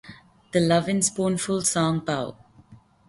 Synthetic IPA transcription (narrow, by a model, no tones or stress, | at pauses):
d̪̥əlʌvɪ̃nspɔ̃ːnfʊlsɔ̃ŋpaʊ